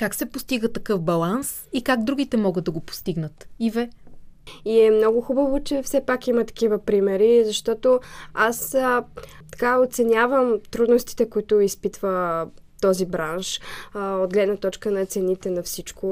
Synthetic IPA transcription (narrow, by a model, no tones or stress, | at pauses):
kaksɛpost̪iɡət̪ɐkɤfbɐlˠans | ikaɡd̪ɾuɡʲit̪ɛmɔɡəd̪̚d̪ɐɡopo̥st̪iɡnət̪ivɛ | iɛmnɔɡʊxubɐvot͡ʃɛfsɛpakimɐt̪ɐ̥k̟ivəpɾimɛɾizɐʃt̪ɔt̪oas | t̪ɐ̥kaot̪sɛnʲjavəmt̪ɾud̪nost̪i̥t̪ɛkoit̪ʊispit̪və | t̪ɔzibɾanʃod̪̚ɡlɛd̪nɐt̪ɔt͡ʃkənɐt̪sɛnit̪ɛnɐfsit͡ʃko